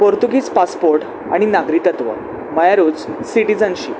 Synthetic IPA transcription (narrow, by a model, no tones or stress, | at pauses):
poɾt̪uɡiːt͡spaspoɾʈ | a̰ɽ̃inaɡɾit̪ət̪ʋə̰ | məjaɾuːd͡zsiʈid͡zənɕḭː